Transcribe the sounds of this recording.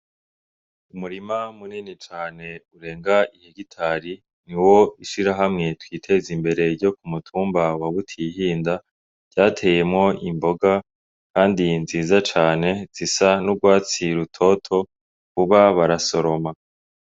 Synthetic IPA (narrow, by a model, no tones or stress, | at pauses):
umuɾimamuniːnit͡ʃaːne̞uɾe̞ːŋɡaiheɡitʰaɾi | niwo̞iʃiɾaɦamŋe̞twiːtʰe̞zimbe̞ɾe̞ɾɟo̞kumutʰuːmbawaβutʰiɦiːnda | ɟ̥aːtʰe̞je̞mŋo̞imbo̞ɡa | kaːndinziːzat͡ʃaːne̞z̥isanuɡwaːt͡siɾutʰo̞tʰo̞ | kuβaβaɾaso̞ɾo̞ma